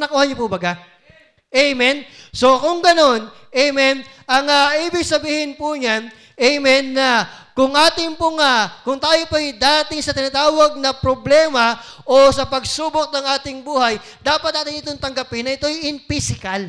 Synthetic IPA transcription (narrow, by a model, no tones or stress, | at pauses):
nɐkuːhɐɲopubɐɡa | ʔɛjmɛnso̞kʊŋɡɐno̞n | ʔejmɛn | ʔɐŋaʔiːbɪɡ̚sɐbiːhɪnpʊɲan | ʔɛjmɛnːɐkʊŋʔaːt̪ɪŋpʊŋɐkʊŋt̪aːjopɐjd̪aːt̪ɪŋsɐt̪ɪnaːt̪aːwɐɡ̚nɐpɾoblɛːmɐ | ʔo̞sɐpɐɡsuːbok̚nɐŋʔaːt̪ɪŋbuːhɐj | d̪aːpɐt̪̚ːaːt̪ɪnɪt̪oŋt̪ɐŋɡɐpɪnɐʔɪt̪o̞jɪnpisɪkɐl